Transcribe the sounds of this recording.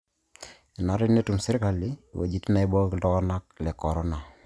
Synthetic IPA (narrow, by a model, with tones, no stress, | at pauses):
i˨na˨˦ɾɪ˦ne˦tu˨msɪ˦ɾɪ˦ka˨li˦˨wḛ˨d͡ʒi˦ti˦na˨i˦bɔ˦ki˨dɔ˦kɔ˦na˦k̚lɛ˨kɔ˨ɾɔ˦na˨